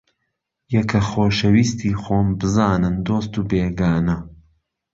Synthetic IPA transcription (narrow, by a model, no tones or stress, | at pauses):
jɐkʰɐxoːʃɐwiːst̪ʰiːxoːmbɨzaːnɨnd̪oːst̪uːbeːɡaːnɐ